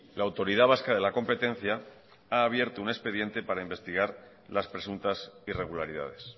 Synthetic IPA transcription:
laːwt̪o̞ɾiðaβ̞askaðe̞lako̞mpe̞t̪e̞n̟θja | aːβje̞ɾt̪oune̞spe̞ðje̞nt̪e̞paɾaimbe̞st̪iɣ̞aɾ | laspɾe̞sunt̪asire̞ɣ̞ulaɾiða̰ð̞e̞s

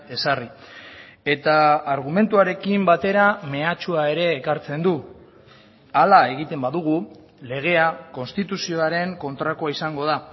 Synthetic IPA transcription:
e̞sari | e̞t̪aːɾɣ̞ume̞nt̪uaɾe̞kimbat̪e̞ɾame̞at͡ʃuae̞ɾe̞ːkaɾt͡se̞nd̪u | alae̞ɣ̞it̪e̞mbaðuɣu | le̞ɣ̞e̞ako̞nst̪it̪usio̞aɾe̞ŋko̞nt̪ɾakoaisaŋɡo̞ð̞a

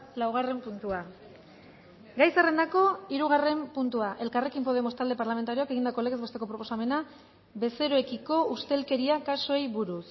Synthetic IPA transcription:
lawɣ̞are̞mpunt̪ua | ɡajsare̞nd̪ako̞iɾuɣ̞are̞mpunt̪uaʔe̞lkare̞kimpo̞ðe̞mo̞st̪ald̪e̞paɾlame̞nt̪aɾio̞ake̞ɣind̪akole̞ɣzβe̞st̪e̞kopɾo̞po̞same̞na | βe̞se̞ɾoe̞kiko̞ust̪e̞lke̞ɾiakasoejβuɾus

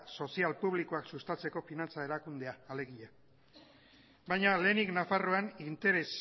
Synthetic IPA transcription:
so̞sialpuβ̞liko̞aksust̪at͡se̞ko̞finant͡sae̞ɾakund̪e̞aːle̞ɣiʎa | bajɲale̞ːniknafaro̞anint̪e̞ɾe̞s

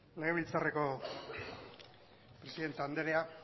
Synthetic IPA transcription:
le̞ɣ̞e̞βilt͡sare̞ko̞ | pɾe̞siðe̞nt̪eand̪eɾea

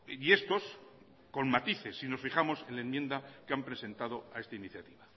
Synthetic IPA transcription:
ie̞st̪o̞s | ko̞nmat̪iθe̞sːino̞sfiχamo̞sẽ̞nlaemjend̪akeampɾe̞se̞nt̪að̞o̞ae̞st̪ainiθjat̪iβa

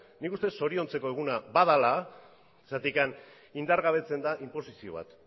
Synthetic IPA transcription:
nikust̪e̞so̞ɾio̞nt͡se̞ko̞e̞ɣ̞unabaðala | sat̪ikan | ind̪aɾɣaβ̞e̞t͡se̞nd̪aʔimpo̞sisio̞̰β̞a̰t̪

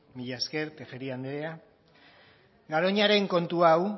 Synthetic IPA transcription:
miʎaske̞ɾt̪eɣeɾiand̪eɾea | ɡaɾo̞ɲaɾe̞ŋko̞nt̪uaw

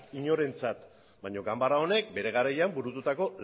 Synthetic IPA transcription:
iɲo̞ɾe̞nt͡sat̪ | baɲo̞ɡambarao̞ne̞k̚be̞ɾe̞ɣ̞aɾajambuɾut̪ut̪ako̞l

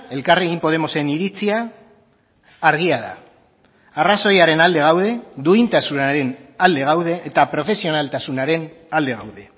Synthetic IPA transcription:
e̞lkareɣimpo̞ð̞e̞mo̞se̞niɾit͡sia | ɾɣ̞iaða̰ | araso̞jaɾe̞nald̪e̞ɣ̞awð̞e̞d̪uint̪asunaɾe̞nald̪e̞ɣawð̞e̞ʔːt̪apɾo̞fe̞sio̞nalt̪asunaɾe̞n | ald̪e̞ɣa̰wðe̞

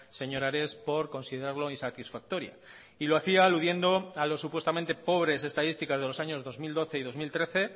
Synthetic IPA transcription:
se̞ɲo̞ɾaɾe̞spo̞ɾko̞nsiðe̞ɾaɾlo̞insat̪isfak̚t̪o̞ɾja̰ | ilo̞aθiaːluðje̞nd̪o̞alo̞sːupwe̞st̪amẽ̞nt̪e̞po̞β̞ɾe̞se̞st̪aðist̪ikazð̞e̞lo̞saɲozðo̞zmild̪o̞θe̞iðo̞zmilt̪ɾe̞θe̞

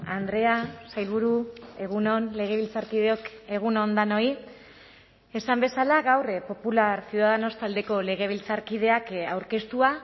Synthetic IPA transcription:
and̪ɾe̞asajlβuɾue̞ɣ̞unonle̞ɣ̞e̞β̞ilt͡saɾkiðeoke̞ɣ̞unond̪ano̞i | esambe̞salaɣawrpo̞pulaɾsjuðaðano̞st̪ald̪e̞ko̞le̞ɣ̞e̞β̞ilt͡saɾkið̞e̞akawɾke̞st̪ua

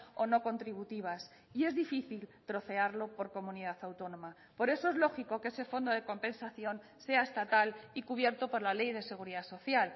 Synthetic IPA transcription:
o̞no̞ko̞nt̪ɾiβ̞ut̪iβ̞as | ie̞zðifiθilt̪ɾo̞θe̞aɾlo̞po̞ɾko̞mũniðaθawt̪o̞nõ̞ma | po̞ɾe̞soe̞zlo̞xiko̞kese̞fo̞nd̪o̞ð̞eko̞mpe̞nsaθjo̞n | se̞aest̪at̪alikuβ̞je̞ɾt̪opo̞ɾlale̞jð̞e̞se̞ɣ̞uɾiðaso̞θjal

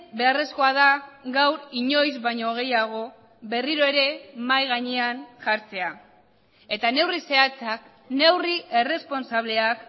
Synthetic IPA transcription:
be̞are̞sko̞aðaɡawɾiɲo̞jzβajɲoɣ̞e̞jaɣ̞o̞ | βe̞riɾo̞e̞ɾe̞majɣaɲeanʝaɾt͡se̞a | e̞t̪ane̞wrise̞at͡sak | ne̞wriere̞spo̞nsaβ̞le̞ak

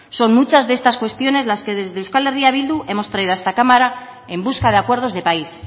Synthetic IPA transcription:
so̞nmut͡ʃazðee̞st̪askwe̞st̪jo̞ne̞zlaske̞ðe̞zðe̞uskaleriaβild̪uʔe̞mo̞st̪ɾaiðoae̞st̪akamaɾa | e̞mbuskað̞eakwe̞ɾð̞o̞zðe̞pais

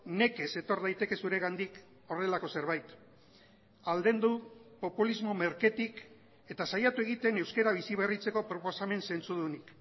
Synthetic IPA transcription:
ne̞ke̞se̞t̪o̞ɾðajt̪e̞ke̞suɾe̞ɣand̪ik | o̞re̞lako̞se̞ɾβ̞ajt̪ | ald̪e̞nd̪upo̞pulizmo̞me̞ɾke̞t̪ik | e̞t̪asajat̪ue̞ɣ̞it̪e̞ne̞wske̞ɾaβ̞isiβ̞e̞rit͡se̞ko̞pɾo̞po̞same̞nse̞nt͡suðunik

